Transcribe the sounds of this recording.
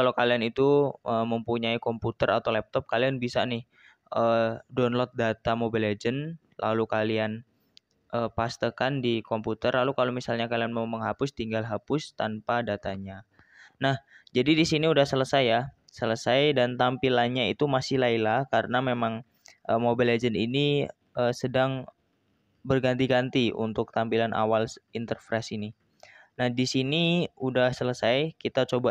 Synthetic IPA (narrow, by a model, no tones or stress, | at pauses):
kalowkalianit̪uəməmpuɲaikɔmput̪əɾʔa̰t̪awlɛp̚t̪ɔp̚kalianbisanɪh | ədɔnlɔt̪̚dat̪amobiled͡ʒən | lʔa̰lukalian | ʔəːpast̪əkandikɔmput̪ərlalukalomisalɲakalianmauməŋɦapʊst̪iŋɡalɦapʊst̪anpadat̪aɲa | nahd͡ʒadidisiniudahsələsaja | sələsajdant̪ampilanɲait̪umasɪhlailahkaɾənamemaŋ | ʔəmobiled͡ʒənini | ʔəsədaŋ | bərɡant̪iɡant̪iṵnt̪ʊk̚t̪ampilanʔa̰walint̪ərfɾɛsini | nahdisiniudahsələsajkit̪at͡ʃoba